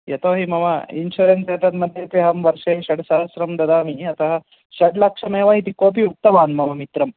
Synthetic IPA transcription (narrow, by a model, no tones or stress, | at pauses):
jɐt̪oːɦimɐʋɐinʃuɾensɐt̪ɐd̪mɐd̪ʱjɐt̪iɦɐmʋɐɾʂeːʃɐɖsɐɦɐsɾɐmd̪ɐd̪aːmiɐt̪ɐɦɐ | ʃɐɖlɐkʂɐmeːʋɐit̪ikoːp̬iuk̚t̪ɐʋaːnmɐʋɐmit̪ɾɐm